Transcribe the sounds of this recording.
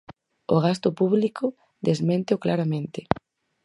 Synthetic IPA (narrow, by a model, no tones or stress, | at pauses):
o̰ɣ̞ast̪ʊpuβlikʊ | d̪ezmẽnt̪eoklaɾamẽnt̪ɪ